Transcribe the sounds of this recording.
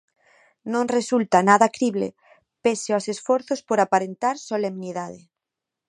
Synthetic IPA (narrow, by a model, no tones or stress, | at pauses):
nõŋresult̪anaðakɾiβlḛ | peseosesfoɾθospoɾapaɾent̪aɾsolemniðaðe